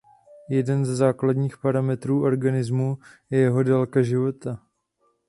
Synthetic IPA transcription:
jɛdɛnzɛzaːkladɲiːxpaɾamɛt̪ɾuːʔo̞ɾɡanɪzmujɛjɛɦo̞dɛlkaʒɪvo̞t̪a

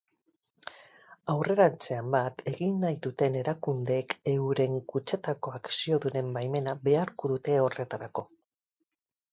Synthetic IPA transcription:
awre̞ɾant͡se̞ambat̪ʰe̞ɣinːajðut̪e̞ne̞ɾakund̪e̞ke̞wɾe̞ŋkut͡ʃe̞t̪ako̞aksio̞ðuɾe̞mbajme̞naβe̞aɾkoðut̪e̞o̞re̞t̪aɾako̞

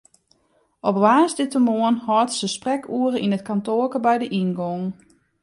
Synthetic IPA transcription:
ʔɔpʋaːsdɪtəmoənhɔːtsəsprɛkʰuəɾəʔinətkantoːkəbɛjdəʔinɡoŋ

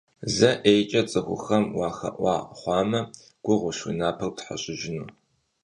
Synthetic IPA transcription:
zɐʔejt͡ʃʼɐt͡sʼɨxʷʊ̰xɐmwɑːxɐ̰ʔʷɑːχʷɑːmɐ | ɡ̥ʷʊʁʷʊʃwḭnaːpʰɐrwtħa̰ɕʼɪʒɪnuː

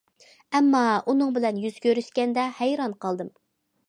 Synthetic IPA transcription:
ɛmːɑunɨŋbɪlɛnjyz̥kʲʰøɾyʃkʲɛnd̪ɛhæjɾɑnqʰɑlˠd̪ɨm

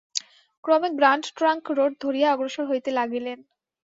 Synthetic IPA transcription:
kɾɔmek̚bɾaɳɖʈɾaŋkɾoɖ̚d̪ʱoɾijaɔɡɾoʃoɾɦojt̪elaɡilen

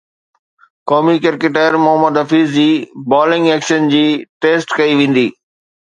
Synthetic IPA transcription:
kɔːmikeɾkeʈaːɾmʊɦəməd̪ɐfiːzd͡ʑiːbɔːlɪ̃ŋɡeːkʃənd͡ʑiːʈeːsʈkɐiʋẽːn̆d̪iː

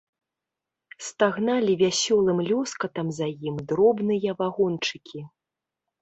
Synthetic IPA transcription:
st̪aɣnalʲivʲasʲɔlˠɨmlʲɔskɐt̪ɐmzajimd̪ɾɔbnɨjɐvaɣɔnt͡ʂɨkʲʰi

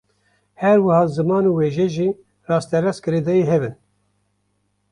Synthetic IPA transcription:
hɛɾwɨhɑːzɨmɑːnuːweːʒɛʒiː | rɑːst̪ɛɾɛskɨɾeːd̪ɛjiɦɛbɨn

